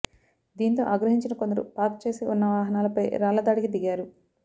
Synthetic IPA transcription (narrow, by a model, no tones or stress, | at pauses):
d̪iːnt̪o̞̰ːʔaːɡɾɐɦiɲt͡ʃinɐkond̪ɐɾṵpaːk̚t͡ʃe̞ːsiunːɐʋaːɦɐnaːlɐpɐjɾaːlɐd̪aːɽikid̪iɡaːɾu